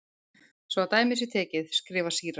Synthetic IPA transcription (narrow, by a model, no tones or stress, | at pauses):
svɔawt̪aːjmɪs̬ɪt̪ʰɛːcɪðskɾɪːvḁsiːɾa